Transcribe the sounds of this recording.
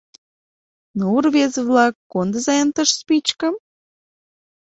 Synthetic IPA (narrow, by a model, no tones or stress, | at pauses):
nuurβezəβlɑkːond̪əzɑjənt̪əʃspit͡ɕkə̆m